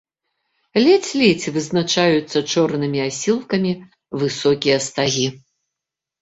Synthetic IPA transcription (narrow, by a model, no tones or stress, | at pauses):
lʲɛt͡sʲlʲɛt͡sʲvɨznat͡ʂajut̪sːɐt͡ʂɔrnɨmʲiasʲilˠkɐmʲi | vɨsɔkʲijɐst̪aɣʲi